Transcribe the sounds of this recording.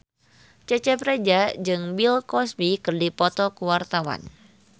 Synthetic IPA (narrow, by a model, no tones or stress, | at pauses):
t͡ʃɛt͡ʃɛpɾed͡ʒad͡ʒɨŋwilkɔsbikɨrdipɔt̪ɔkuwart̪awa̰n